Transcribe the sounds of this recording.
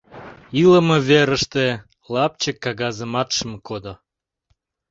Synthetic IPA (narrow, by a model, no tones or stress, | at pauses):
iləmə̆vʲeɾəʃt̪e | lˠɑp̚t͡ɕekːɑɡɑzəmɑt̪ʃəmkod̪o